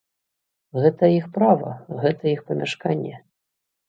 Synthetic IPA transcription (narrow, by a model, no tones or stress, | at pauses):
ɣɛt̪ɐjixpɾavɐ̰ɣɛt̪ɐjixpɐmʲaʂkanʲːɛ